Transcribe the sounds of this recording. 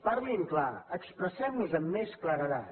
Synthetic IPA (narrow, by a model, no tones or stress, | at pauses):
paɾliŋklaəkspɾəsɛmnuzəmːeskləɾəða